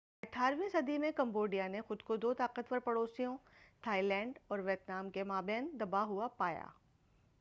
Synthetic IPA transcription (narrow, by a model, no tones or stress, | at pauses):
ɐʈʰaːɾʋĩsɐd̪imẽkɐ̃mboːɖijanexʊd̪kod̪oːt̪aːqət̪ʋəɾpɐɽoːsijõt̪ʰaːilɛ̃ːɳɖɔːɾʋet̪naːmkemaːbɛ̃ːnd̪ɐbaɦʊapaːja̰ː